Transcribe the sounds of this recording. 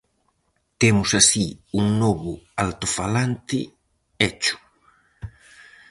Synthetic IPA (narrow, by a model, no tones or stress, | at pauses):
t̪ɛmʊsasiuŋnɔβʊalt̪ʊfalant̪ɪ̰ | ɛt͡ʃʊ̥